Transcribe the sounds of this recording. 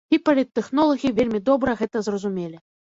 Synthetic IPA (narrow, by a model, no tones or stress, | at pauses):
ipɐlʲit̪ːɛxnɔlˠɐɣʲivʲelʲmʲid̪ɔbɾɐɣɛt̪ɐzrɐzumʲelʲi